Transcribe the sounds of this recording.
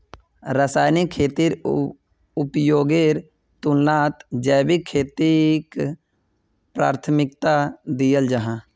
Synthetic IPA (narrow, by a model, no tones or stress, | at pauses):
ɾəsaːjnɪkʰːeːt̪iːɾ | ʊpjoːɡeːɾ | t̪ʊnnaːt̪d͡ʒɛːbikʰːeːt̪ik | pɾaːɾt̪ʰmɪkt̪ad̪ijəld͡ʒəɦãː